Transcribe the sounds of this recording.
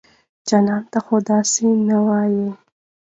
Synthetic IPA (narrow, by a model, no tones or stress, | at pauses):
d͡ʒanɑnt̪axod̪ɑsenawɑji